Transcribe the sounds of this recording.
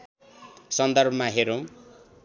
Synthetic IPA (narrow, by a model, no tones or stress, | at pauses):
sʌnd̪ʌrbʱʌmaɦeɾõ